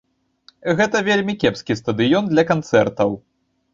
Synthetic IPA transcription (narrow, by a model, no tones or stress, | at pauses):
ɣɛt̪ɐvʲelʲmʲikʲɛpskʲist̪ɐd̪ɨjɔnd̪lʲɐkant̪sɛrt̪ɐw